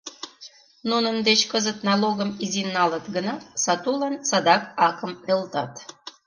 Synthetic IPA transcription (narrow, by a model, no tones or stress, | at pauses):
nunənd̪et͡ɕkəzət̪nɑloɣəmizinːɑlət̪ɡənɑsɑt̪ulɑnsɑd̪ɑk̚ɑkəmølt̪ɑt̪